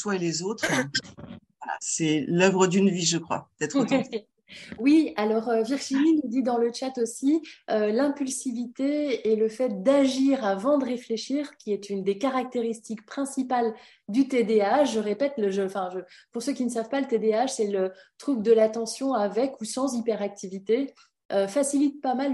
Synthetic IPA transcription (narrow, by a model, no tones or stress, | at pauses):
t̪waelezot̪χ | ala̰sɛlœvʁəd̪ynviʒəkχwa̰pə̥t̪ɛt̪χo | wialɔʁøviʁʒininud̪id̪ɑ̃lət͡ʃat̪osiølɛ̃pylsivit̪eeləfɛt̪̚d̪aʒiʁavɑ̃d̪əʁefleʃiʁkʲiɛt̪ynd̪ekaʁak̚t̪eʁist̪ik̚pχɛ̃sipal | d̪yt̪ed̪eaʃʒəʁepɛt̪ləʒə̃fɛ̃ʒəpuʁsøkʲinəs̬avpalət̪ed̪eaʃsɛlət̪χubd̪əlat̪ɑ̃sjɔ̃avɛkusɑ̃zipɛʁak̚t̪ivit̪e | ʔøfasilit̪̚pamal